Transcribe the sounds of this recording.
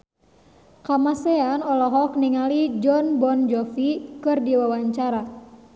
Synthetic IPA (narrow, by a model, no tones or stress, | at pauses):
kamasɛanɔlɔɦɔkniŋalid͡ʒɔnbɔnd͡ʒɔfikɨrdiwawaɲt͡ʃaɾa